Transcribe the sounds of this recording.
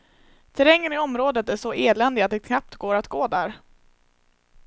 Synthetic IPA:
t̪ʰɛɾɛŋːənɪɔmɾoːd̪ət̪æʂɔʔeːlɛnd̪ɪat̪d̪ɛkʰnap̚t̪ɡoːɾat̪ɡoːd̪æɾ

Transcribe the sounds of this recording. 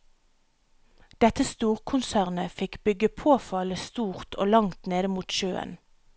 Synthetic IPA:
d̪̥ɛt̪əst̪uːʁkʰʊnsæːʁnəfɪkbʏɡəpʰoːfɑləst̪uːʁt̪ʰo̰ːlɑŋt̪neːd̪əmuːt̪ʃøːə̰n

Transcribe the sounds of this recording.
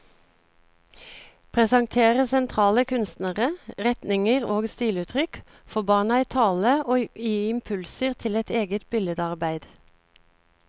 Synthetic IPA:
pʰʁɛsɑŋt̪ʰeːʁəsɛnt̪ʰʁɑːləkʰʉnst̪nəʁəʁɛt̪nɪŋəʁoːɡst̪iːlʉːt̪ʰʁʏk | fɔbɑːɳəæɪt̪ʰɑːləoːiːɪmpʰʉlsəʁt̪ʰɪlɛt̪eːɡət̪bɪləd̪ɑʁbæɪd̪̥

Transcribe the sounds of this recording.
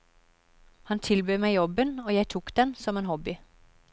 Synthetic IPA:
hɑnt̪ʰɪlbøːmæɪjɔbənoːjæɪt̪ʰuːkd̪̥ɛnsɔmeːnɦhɔbɪ

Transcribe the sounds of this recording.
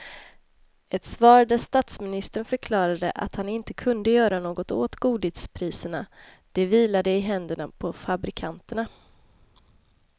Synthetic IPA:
ɛt̪svɑːɾad̪əst̪at̪smɪnɪst̪əɳfœɾkʰlɑːɾad̪ə̰ʔa̰t̪hanɪnt̪əkʰɵnd̪əjœːɾanoːɡɔt̪o̰ːt̪ɡuːd̪ɪt̪spʰɾiːsəɳa | d̪̥ɛviːlad̪əɪɦɛnd̪əɳapʰɔfabɾɪkʰant̪əɳa

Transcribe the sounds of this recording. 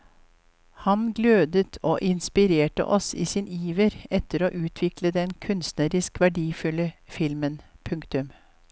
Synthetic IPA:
hɑnɡløːd̪ət̪ʰoːʔɪnspɪɾeːʈə̰ʔɔsiːsiːniːʋəɾɛt̪əɾoːʔʉːt̪ʰʋɪkləd̪ɛnkʰʉnst̪nəɾɪskʋæɖiːfʉləfɪlmənpʰʉŋkt̪ʉm

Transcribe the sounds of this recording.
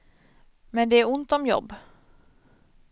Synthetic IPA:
mɛnd̪ɛæɾʊnt̪ɔmjɔ̰bː

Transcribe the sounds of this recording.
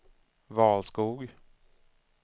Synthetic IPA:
vɑːlskuːɡ

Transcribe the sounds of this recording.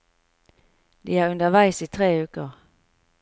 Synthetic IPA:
d̪iːæːʁʉnd̪əʋæɪsiːt̪ʰʁeːʉːkəʁ

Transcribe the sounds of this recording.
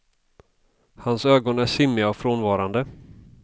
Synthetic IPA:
hansøːɡɔnæʂɪmːɪaɔfɾoːnvɑːɾand̪ə

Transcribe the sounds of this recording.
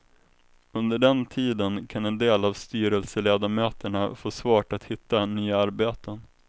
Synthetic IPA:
ɵnd̪əɖɛnt̪ʰiːd̪ənkʰanɛnd̪eːlavst̪yːɾəlsəleːd̪amøːt̪əɳafoːsvɑːʈat̪hɪt̪ːanyːaaɾbeːt̪ʰən

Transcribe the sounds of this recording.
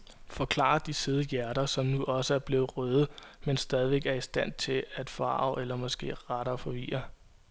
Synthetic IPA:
fɒ̽kʰl̥ɑ̰̈ɐd̥iseð̞ˠəjæɐɾ̥ɐsɒ̽mnuʔɒ̽səæɐb̥le̝ːʁœð̞̩ˠmensd̥ɛːð̞ˠiʋeɡ̥æɐisd̥æn̰t͡sʰe̝æd̥fɑ̰̈ʊelɐmɒ̽sɡ̥e̝̰ːʁɑɾɐfɒ̽ʋḭːɐ

